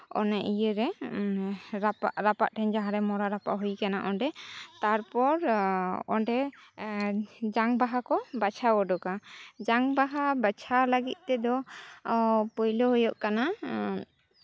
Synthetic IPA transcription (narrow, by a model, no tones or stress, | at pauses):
ɔ̰nɛʔijəɾɛ | ɾapaʔɾapa̰ʔʈʰɛɲd͡ʒaɦãɾɛmɔɾaɾapa̰ʔɦujkanaʔɔɳɖɛt̪aɾpɔɾɔ̰ɳɖɛ | d͡ʒaŋbaɦakɔbat͡ʃʰaɔɖɔkad͡ʒaŋbaɦabat͡ʃʰalaɡḭt̪̚ˀt̪ɛd̪ɔ | pɔjlɔɦɔjɔʔkana